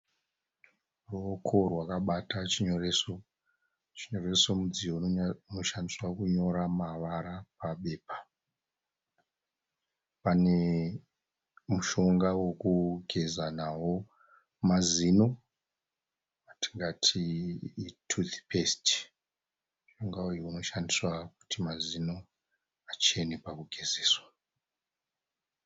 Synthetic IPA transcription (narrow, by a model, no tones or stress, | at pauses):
rukʰo̞rwakaɓatat͡ʃiɲoreso | t͡ʃiɲo̞re̞so̞mud͡zijouno̞ʃandiswakuɲo̞ɾamaʋaɾapaɓe̞ːpḁ | pane̞ | muʃo̞ŋɡawokuɡʱe̞zanawo̞ | mazino̞ | atiŋɡatʰiː | tʰudi̥pʰesti̥ | muʃo̞ŋɡaujuuno̞ʃandiswaku̥timazino̞ | at͡ʃenepakuɡʱezeːswa